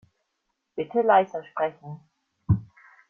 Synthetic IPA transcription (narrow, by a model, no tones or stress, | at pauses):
b̥ɪtʰəlaɪsɐʃpʁ̥ɛçn̩